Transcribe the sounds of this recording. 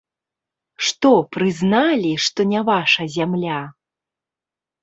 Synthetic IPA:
ʂt̪ɔpɾɨznalʲiʂt̪ɔnʲavaʂɐzʲamlʲa

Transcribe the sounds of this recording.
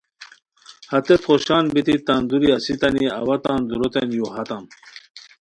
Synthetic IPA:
hɐt̪et̪χoɕaːnbit̪it̪and̪uɾiɐsit̪ɐniɐ̰wɐt̪aːnd̪uɾot̪enjoɦɐt̪am

